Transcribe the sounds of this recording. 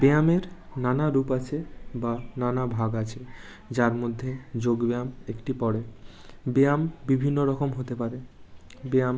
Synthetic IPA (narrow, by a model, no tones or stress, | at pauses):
beameɾnanaɾupat͡ɕʰebananabʱaɡat͡ɕʰe | d͡ʑaɾmod̪ʱːed͡ʑoɡbeamekʈipɔɽebeambibʱinːoɾɔkomɦot̪epaɾebeam